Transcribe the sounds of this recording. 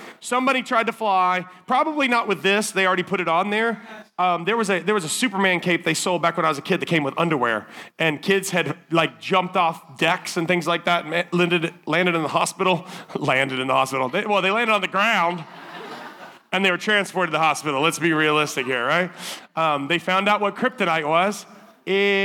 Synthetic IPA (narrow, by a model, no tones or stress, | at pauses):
sʌ̃mbɑɾitʰɹ̥aɪd̚tʰəflaɪ | pʰɹ̥ɑbəblinəʔ̚wɨðɪsðeɪl̩ˠɹɛɾipʰʊɾɨɾn̩ðə˞ʌ̃mðə˞wʌzɨðə˞wʌzəsʉpə˞mæ̃nkʰeɪp̚ðeɪsoʊlˠbækwə̃naɪwʌzɨkʰɪd̪̚ðɨt̚kʰẽɪ̃mwɨðʌ̃ndə˞wɛ̰ɹʔɨ̃nkʰɪdz̥ɨdlaɪk̚d̥d͡ʒʌ̃mp̚tɔfdɛksɨ̃nθɪ̃ŋzlaɪk̚ðæt̩lɪ̃ndɨɾlæ̃ndɨɾɨ̃nðəɦɑspɪɾl̩ˠlæ̃ndɨɾɨ̃nðəhɑspɪɾl̩ˠðeɪwɛlˠðeɪlæ̃ndɨɾn̩ðɨɡɹãʊ̃nd | ɨ̃nðeɪwə˞tʰɹ̥æ̃nspɔɹɾɨðəhɑspɪɾl̩ˠlətsb̥iɹiɨəlɪstɨkhiɹɹaɪt̚ʌ̃mðeɪfãʊ̃ndaʊt̚wʌt̚kʰɹ̥ɪp̚tɨɾaɪʔ̚wʌz̥ | ɪ